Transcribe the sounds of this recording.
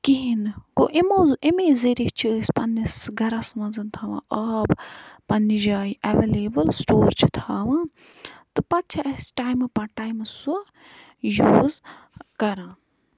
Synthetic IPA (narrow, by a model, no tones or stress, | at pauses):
kiɦinkoʔemoːzʔemeːzeɾit͡ʃʰiəsʲpɐnːisɡʱɐɾãsɐmɐnzɐnt̪ʰaːʋã̰ːʔɐːbpɐnːid͡ʒaːiʔɛʋeleːbəlsʈoːɾt͡ʃʰi̥t̪ʰaːʋãː | t̪ɨpɐt̪̚t͡ʃʰɐɐsʈaːjmpɐʈaːjmsu | juːz | kɐɾãː